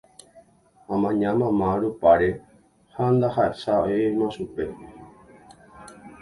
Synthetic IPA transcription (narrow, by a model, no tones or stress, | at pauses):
ãmãɲãmãmãɾupaɾe | hand̪ahaʔesaoemãʃupe